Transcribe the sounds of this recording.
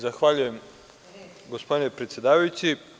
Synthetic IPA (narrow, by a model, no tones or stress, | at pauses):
zaxʋaʎuje̞m | ɡospod̪ine̞pɾet̪sjed̪aːʋajut͡ɕi